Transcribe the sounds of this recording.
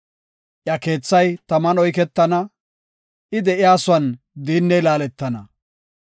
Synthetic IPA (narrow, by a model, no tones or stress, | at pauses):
ʔjɐke̞ːt͡sːɐjt̪ɐmɐnɔjkɛt̪ːɐnɐ | ʔɪd̪ɛʔɪjaːsʊwɐn | d̪iːnːɛjlaːlɛt̪ːɐnɐ